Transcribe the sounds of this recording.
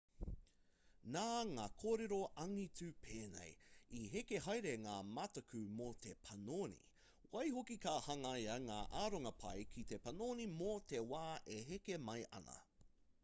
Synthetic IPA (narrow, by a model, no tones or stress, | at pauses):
naːŋaːkʰoːɾeɾo̞ʔɐŋit͡sʉpʰeːnḛjiɦekeɦɐjɾeŋaːmɐtɐkʰʉmot̪ʰepʰɐnoːnḭ | wɐjɦokikaːhɐŋajɐŋaːʔaːɾoŋɐpʰɐjkʰit̪e̞pɐnoːnimot̪e̞waːʔeɦekemɐjʔɐ̰nɐ̰